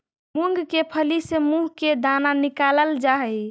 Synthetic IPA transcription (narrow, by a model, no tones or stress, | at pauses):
muŋɡkepʰəlisemuɦked̪ananikaləld͡ʒaɦɛ